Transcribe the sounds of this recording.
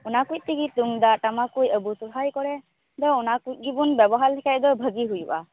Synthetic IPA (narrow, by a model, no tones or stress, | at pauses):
ʊnakuj̚tiɡit̚duŋdatamakujəbutupʰajkɔɹɛ | d̪ɔʊnakuj̚ɡibɔnbɛbɔɦaɹlɛkʰɛtdɔbʱəɡiɦujṵʔa